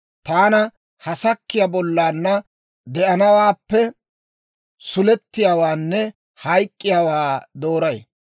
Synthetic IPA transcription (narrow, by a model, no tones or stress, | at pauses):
t̪aːnɐ | hɐsɐkːɪjabɔlːaːnːɐ | d̪ɛʔɐnɐwaːpːɛ | sʊlɛt̪ːɪjaːwaːnːɛ | hɐjkʼːɪjaːwaːd̪o̞ːɾɐj